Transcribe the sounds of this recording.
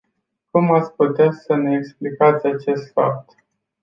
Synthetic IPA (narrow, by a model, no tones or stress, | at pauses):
kumat̪sʲput̪easəneeksplikat̪sʲat͡ʃe̞st̪fa̰p̚t̪